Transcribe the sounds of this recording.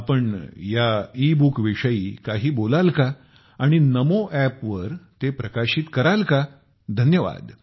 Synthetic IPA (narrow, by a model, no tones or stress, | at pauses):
apəɳjaibukʋiʂəḭːkaɦiːbolalka | aɽ̃inəmoʔæpʋəɾt̪epɾəkaɕiːt̪kəɾalka | d̪ʱənjəʋa̰d̪